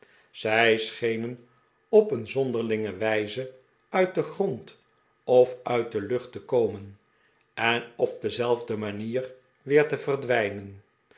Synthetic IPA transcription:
z̥ɛjsχejnən | ɔpənzɔndəʁlɪŋəʋɛjzə | œɥt̚dəχrɔnt | ɔfœɥt̚dəlɵχtəkowmən | ɛnɔp̚dəzɛlˠvdəmaniːr | ʋɪːɹtəvərdʋɛjnən

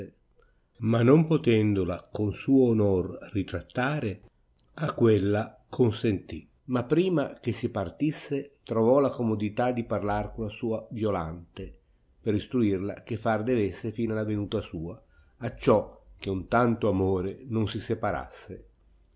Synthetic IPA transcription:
manːompot̪ɛnd̪olakonsuːoːnorrit̪ɾat̪ːaːɾe | akːwelːa | kʰonsent̪i | mapːɾiːmak̟esipart̪isːet̪ɾovɔlakomod̪it̪ad̪iparlarkolasuːavjola̰nt̪e | peɾist̪ɾuirlakefːard̪evesːefiːnalavenuːt̪asuːaː | t͡ʃːɔk̟eunt̪ant̪oamoːɾenonsisepaɾa̰sːe

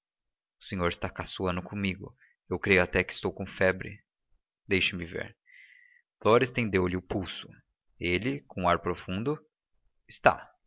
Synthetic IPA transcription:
ʊ̥sẽɲoɾɪst̪akasuɐ̃nd̪ʊkʰõmiɡʊ̰ | ewkɾejʊat̪ɛkɪ̥st̪owkõfɛbɾɪ̰ | d̪ejʃɪmɪvḛɾ | flɔɾɪst̪ẽnd̪ewlɪʊpuwsʊ̥ | elɪkõaɾpɾofũnd̪ʊ | ɪst̪a̰

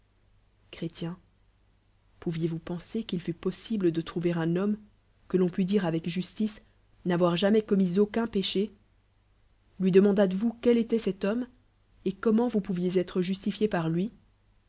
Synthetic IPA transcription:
kχet̪jɛ̃ | puvjevupɑ̃sekilfypɔsibləd̪ət̪χuveʁɛ̃nɔm | kəlɔ̃pyd̪iʁavɛkʒyst̪is | navwaʁʒamɛkɔmizokɛ̃peʃe | lɥid̪əmɑ̃d̪at̪vukɛlet̪ɛsɛt̪ɔm | ekɔmɑ̃vupuvjezɛt̪χəʒyst̪ifjepaʁlɥi

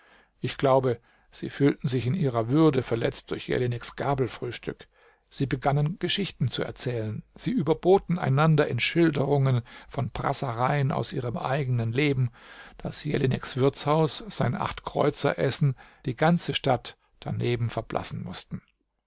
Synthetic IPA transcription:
ʔɪçɡ̥laʊbə | z̥ḭːfyːltn̩zɪçɪnʔiːʁɐvʏɐdəfɛɐlɛt͡st̚d̥ʊɐçjɛ̰linɪksɡ̥aɐbl̩fʁ̥yːʃtʏk | z̥iːbəɡanənɡ̥əʃɪçtn̩t͡suɛ̰ɐt͡sɛːlənz̥iːʔyːbɐboːtn̩a̰ɪnandɐʔɪnʃɪldəʁʊŋənfɔnpʁ̥a̰səʁaɪənʔa̰ʊsʔiːʁ̞əmʔa̰ɪɡənənleːbm̩d̥asjɛlinɪksv̥ɪɐt͡shaʊsz̥aɪnʔa̰χtkʁ̥ɔ̰ʏt͡sɐ̰ʔɛsn̩d̥iːɡant͡səʃtat | d̥a̰neːbm̩fɛɐblʔa̰sn̩mʊstn̩

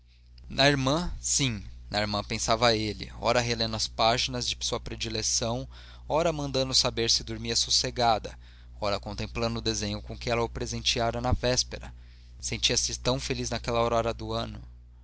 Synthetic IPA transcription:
nɐiɾmɐ̃sĩnɐiɾmɐ̃pẽsavɐelɪ̰ɔ̰ɾɐɦelẽnd̪ʊɐspaʒinɐzd͡ʒɪsuɐpɾed͡ʒilesɐ̃w̃ | ɔɾɐmɐ̃nd̪ɐ̃nd̪ʊsabeɾsɪd̪oɾmiɐsuseɡad̪ɐ | ɔɾɐkõt̪ẽmplɐ̃nd̪ʊd̪ezẽɲʊkõkɪɛlɐʊpɾezẽnt͡ʃiaɾɐnɐvɛspeɾɐ̰ | sẽnt͡ʃiɐsɪt̪ɐ̃w̃feliznɐkɛlɐoɾɔɾɐd̪ʊɐ̃nʊ

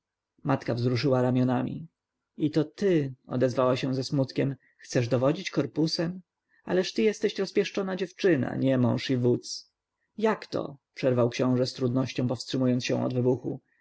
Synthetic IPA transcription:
mat̪kavzɾuʂɘwaɾamʲjɔnamʲḭ | it̪ɔt̪ɘɔ̰d̪ɛzvawaɕɛw̃zɛsmut̪kʲɛm | xt̪sɛʐd̪ɔvɔd͡ʑit͡ɕkɔɾpusɛm | a̰lɛʂt̪ɘjɛst̪ɛɕɾɔspʲjɛʂt͡ʂɔnad͡ʑɛft͡ʂɘna̰ɲɛmɔ̃w̃ʂivut̪s | jakt̪ɔ̰pʂɛɾvawkɕɔ̃w̃ʐɛst̪ɾud̪nɔɕt͡ɕɔ̃w̃pɔfstʂɘmujɔnt̪ɕɛ̰̃w̃ʔɔ̰d̪vɘbuxṵ

